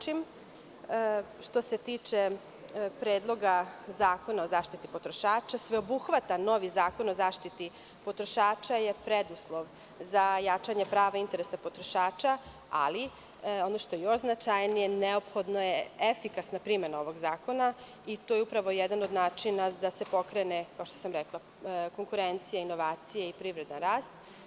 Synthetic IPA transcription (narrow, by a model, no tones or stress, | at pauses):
im | ʃt̪o̞set̪iːt͡ʃe̞ | pɾeːd̪lˠo̞ɡazaːko̞naozaːʃt̪it̪ipot̪ɾo̞ʃaːt͡ʃasʋe̞obuxʋat̪ano̞ʋizaːko̞no̞zaːʃt̪it̪i | po̞t̪ɾo̞ʃaːt͡ʃajepɾed̪uslˠo̞ʋ | zajat͡ʃaɲe̞pɾaːʋaint̪eɾesapo̞t̪ɾoʃaːt͡ʃa | a̰li | o̞noʃt̪ojejo̞ʃznat͡ʃajnije̞neo̞pxo̞d̪nojeefikasnapɾimenao̞ʋo̞ɡzaːko̞na | it̪ojeupɾaʋo̞jed̪anod̪naːt͡ʃinad̪ase̞po̞kɾenekao̞ʃt̪osamɾeklˠa | ko̞ŋkuɾent̪sijainːo̞ʋaːt̪sijaipɾiʋɾe̞d̪anɾaːst̪